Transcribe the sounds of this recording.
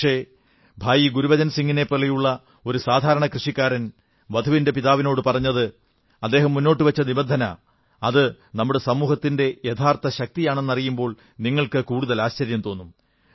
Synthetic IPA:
ʂe̞ː | bʱaːjiɡuɾuʋɐd͡ʑɐnsiŋɡine̞pːɐɭːejuɭːɐ | o̞ɾusaːd̪ʱaːɾɐɳɐkrɨʂikːaːɾɐn | ʋɐd̪ʱuʋinde̞piðaːʋino̞ːɽɨpɐrɐɲːɐðɨ | ɐd̪ːe̞ːɦɐmːunːo̞ːʈːɨʋɐt͡ɕːɐnibɐnd̪ʱɐnɐ̰ | ɐðɨ | nɐmːuɽe̞sɐmuːɦɐt̪ːinde̞jet̪ʰaːrt̪ɐɕɐk̚t̪ijaːɳe̞nːɐrijumbo̞ːɭ | niŋːɐɭkɨkuːɽuðɐlaːɕt͡ɕɐɾjɐmt̪o̞ːnːum

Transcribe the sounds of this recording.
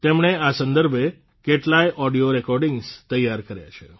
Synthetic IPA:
t̪emɳ̃easə̃nd̪əɾbʱe | keʈlajʔɔɖijoɾekɔɾɖiŋɡst̪əjːaɾkəɾja̰t͡ʃʰḛ

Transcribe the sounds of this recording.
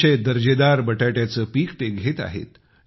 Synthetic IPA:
ed̪əɾd͡ʑed̪aɾbəʈaʈjat͡səːpiːkt̪eɡʱet̪a̰ɦḛt̪

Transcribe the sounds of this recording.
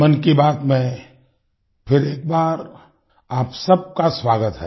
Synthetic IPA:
mɐnkibaːt̪mẽ | pʰɪɾeːk̚baːɾ | aːpsɐb̚kaswaːɡət̪ɦɛ̰

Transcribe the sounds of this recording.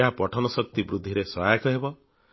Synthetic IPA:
aɦapɔʈʰɔnɔsɔk̚t̪ibɾud̪ʱːiɾesɔɦajakɔɦebɔ

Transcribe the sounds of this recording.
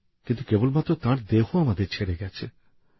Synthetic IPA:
kint̪ukebolmat̪ːɾot̪ãɾd̪eɦoamad̪eɾt͡ɕʰeɽeɡɛt͡ɕʰḛ

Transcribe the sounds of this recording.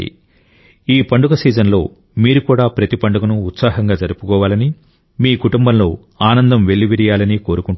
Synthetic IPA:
ḭ | iːpɐɳɖukɐsiːd͡ʒɐnlo̞̰ː | miːɾukuːɽaːpɾɐt̪ipɐɳɖukɐnuːt̪saːɦɐŋɡaːd͡ʒɐɾupukɔːʋaːlɐni | miːkuʈumbɐmlo̞ː | aːnɐnd̪ɐmʋe̞ɭːiʋiɾijaːlɐniko̞ːɾukuɳ

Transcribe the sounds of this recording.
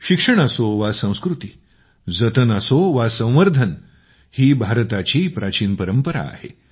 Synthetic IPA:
ɕikʂəɳ̃asoʋasə̃w̃skɾut̪iː | d͡zət̪ənəsoʋasə̃w̃ʋəɾd̪ʱən | hiːbʱaɾt̪at͡ɕiːpɾat͡ɕiːnpəɾəmpəɾa̰ːhḛ

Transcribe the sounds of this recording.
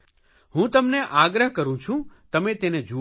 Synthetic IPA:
hũt̪əmneʔaɡɾəɦkəɾũt͡ʃʰũt̪əmet̪ened͡ʒu

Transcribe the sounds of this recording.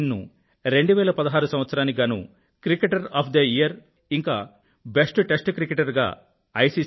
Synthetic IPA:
nːṵ | ɾe̞ɳɖuʋɛːlɐpɐd̪ɐɦaːɾusɐmʋɐt̪sɐɾaːniɡaːnṵ | kɾikeʈɐɾaːpʰd̪ɐijɐɾ | iŋka̰ː | besʈʈesʈkɾikeʈɐɾɡa̰ː | ɐjsi

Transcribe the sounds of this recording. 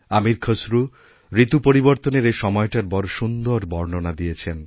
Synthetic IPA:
amiɾkʰəsɾu | ɾit̪upoɾiboɾt̪oneɾeʃɔmɔeʈaɾbɔɾʃund̪oɾbɔɾnonad̪ijet͡ɕʰen

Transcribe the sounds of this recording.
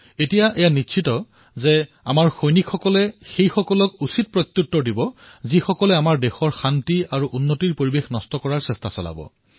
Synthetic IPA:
etijaʔɛjanitːʃʰitɔ | zɛ | a̰maɹxojnikʰːɔkɔlɛxejxɔkɔlɔkusit̚pɹɔt̪ːjutːɔdibɔ | zixɔkɔlɛamaɹdɛxɔɹxantiaɹuʔunːotiɹpoɹibexnɔstɔkɔɹaɹsɛstasɔla̰bɔ̰

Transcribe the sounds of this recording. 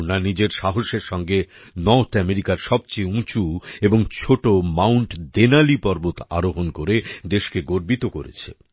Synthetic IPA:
nanid͡ʑeɾʃaɦoʃeɾʃɔŋɡe | nɔɾt̪ʰɛmeɾikaɾʃɔb̚t͡ɕejũt͡ɕueboŋt͡ɕʰoʈomawɳʈd̪enalipɔɾbot̪a̰ɾoɦonkoɾed̪eʃkeɡoɾbit̪oko̰ɾḛt͡ɕʰḛ

